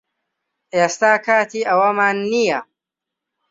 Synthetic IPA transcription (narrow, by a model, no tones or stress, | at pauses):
ʔeːst̪aːkaːt̪iʔɐwɐmanːija